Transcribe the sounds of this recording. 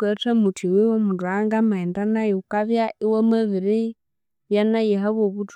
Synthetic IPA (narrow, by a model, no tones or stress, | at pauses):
ketamutiwiwomudwaŋɡamaindanajukaβjaʔiwamaβiɾi | βjanajiɦaβoβut